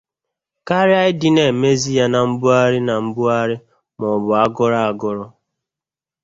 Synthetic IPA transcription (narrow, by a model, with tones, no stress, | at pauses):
ka˦ɾɪ˦a˦ɪ˦dɪ˦ne˨me˦zi˦ja˨na˨m̩˦bʊ˦a˦ɾɪ˦na˨m̩˦bʊ˦a˦ɾɪ˦ | mɔ˨bʊ˨a˦ɡɔ˦ɾa˦˨a˨ɡɔ˦ɾɔ˦